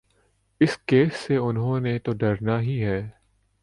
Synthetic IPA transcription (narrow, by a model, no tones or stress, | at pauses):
ɪskeːsːeʊnɦõːnet̪oɖɐɾnaɦiɦɛː